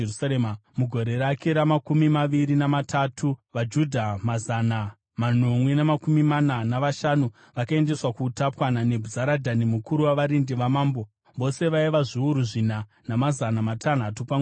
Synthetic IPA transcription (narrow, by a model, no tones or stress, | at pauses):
saemmuɡʱo̞ɾe̞ɾake̞ɾamakumimaʋiɾinamatʰatʰuʋad͡ʒudʱamazana | manomwenamakumimananaʋaʃanu | ʋakae̞nde̞swakutapwanane̞bʱuzaɾadʱanimukuɾuwaʋaɾindiʋamaːmbo̞ | ʋo̞se̞ʋaiʋaʐiuɾuʐina | namazanamatʰan̤atupaw